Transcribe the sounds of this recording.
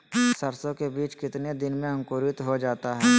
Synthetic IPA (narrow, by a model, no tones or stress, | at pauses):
sɐɾsõkebiːt͡ʃkɪt̪ned̪ɪnmẽɐ̃ŋkoːɾɪt̪ɦod͡ʒaːt̪aɦɛː